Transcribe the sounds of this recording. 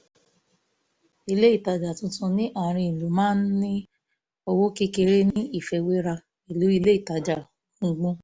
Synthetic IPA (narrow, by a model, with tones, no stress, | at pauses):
i˧le˦i˦˨ta˨d͡ʒa˨tũ˨˦sũ˧nĩ˦ʔa˦˨ɾ̃ĩ˧i˨lo˨mãː˦n̩˦nĩ˦ | o˧wo˦ki˦ke˧ɾe˦nĩ˦i˦˨fɛ˧we˦ɾa˧ | i˨lu˨˦i˧le˦i˦˨ta˨d͡ʒa˨ | ũ˧ɡ͡bũ˦